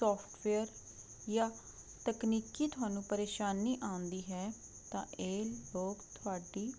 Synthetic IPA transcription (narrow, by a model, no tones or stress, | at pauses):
sɔːpʰʈʋeːəɾ | jaː | t̪əkniːkiːt̪ʊaːnũːpəɾeːʃaːnːiːʔãːnd̪iːɦɛː | t̪ãːʔeːlloːɡt̪ʰʊaːɖiː